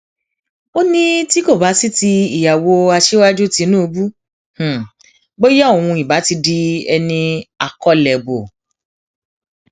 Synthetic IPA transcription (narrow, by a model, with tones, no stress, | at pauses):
o˦nĩ˦ti˦ko˦˨ba˨˦si˦ti˧i˨ja˨wo˧a˧ʃe˦wa˦d͡ʒu˦˨ti˨˧˦nũ˦o˧bu˦ | h̩˨ | bo˦jɛ˦o˨w̃ũ˧i˨ba˨˦ti˧di˧ɛ˧nĩ˧a̰˨kɔ˨˦lɛ˨bo˨